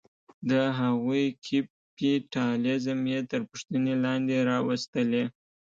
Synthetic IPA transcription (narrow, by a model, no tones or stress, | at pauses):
d̪əɦaɣujkʰip | iʈɑlezəmjet̪əɾpʊʂt̪ənelɑnd̪eɾɑwəst̪əle